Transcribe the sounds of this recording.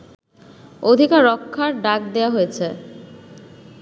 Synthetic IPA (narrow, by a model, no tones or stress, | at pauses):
od̪ʱikaɾːɔkʰːaɾɖak̚d̪eaɦojet͡ɕʰe